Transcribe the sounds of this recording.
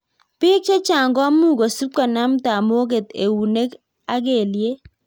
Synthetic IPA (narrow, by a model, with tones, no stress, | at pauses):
pɪ˦k̚t͡ʃe˦t͡ʃa˨ŋɡɔ˦a˦mu˦˨ɡo˨su˦p̚ka˨na˦mta˨mo˦ɡe˨t̪ḛ˨wu˨ne˦k | a˦ɡe˨lje˦